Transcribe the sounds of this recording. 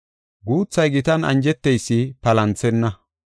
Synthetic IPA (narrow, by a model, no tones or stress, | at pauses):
ɡuːt͡sːɐjɡɪt̪ɐnɐ̰nd͡ʒɛt̪ːɛjsːɪpɐlɐnt͡sɛnːɐ